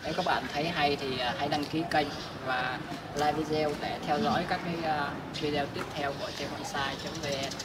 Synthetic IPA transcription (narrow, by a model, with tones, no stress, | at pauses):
ɗe˨˦wkaː˦˥k̚ɓa̰ː˧˨nt̪ʰə˨˦jɦa˧jt̪ʰi˨˩˨ɦa˧jɗa˧ŋki˨˦kə˧jŋ̟ | vaː˨˩ | laː˧vi˧zɛ˧wɗe˧˩t̪ʰɛ˧wzɔ̰˧˨˥jkaː˦˥kːaː˨˦j | vi˧ɗɛ˧wt̪i˦˥əp̚t̪ʰɛ˧wku˧˩ət͡ɕe˧nʔa˧nsaː˧jt͡ɕə˨˦ŋ͡mve˨˧˩